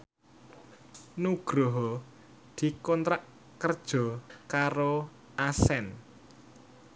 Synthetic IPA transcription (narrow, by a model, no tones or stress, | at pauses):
nuɡ̥ɾɔɦɔ | d̪̥i̤kɔnt̪ɾaʔ | kərd̥ʒ̥ɔ̤kaɾo | asɛn